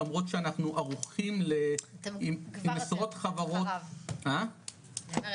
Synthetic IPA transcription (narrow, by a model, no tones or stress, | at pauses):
amʁo̞tʃeanaχnuʔaʁuχimleimimesʁotχavaʁo̞tha